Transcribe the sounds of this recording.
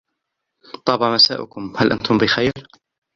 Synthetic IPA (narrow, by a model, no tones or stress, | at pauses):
t̪ˤɑːbɑmasa̰ːʔʊ̰kʊmhalʔa̰nt̪ʊmbɪxajɾ